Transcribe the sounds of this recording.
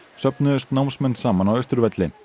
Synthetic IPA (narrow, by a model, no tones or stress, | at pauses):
sœpnʏʏst̪nawmsmɛnːsaːmanawœɥst̪ʏɾvɛt̪lɪn